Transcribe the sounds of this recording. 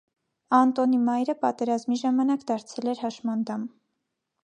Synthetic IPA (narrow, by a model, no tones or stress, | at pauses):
ɑnt̪ɔnimɑjɾəpɑt̪ɛɾɑzmiʒɑmɑnɑkd̪ɑɾt͡sʰɛlɛɾhɑʃmɑnd̪ɑm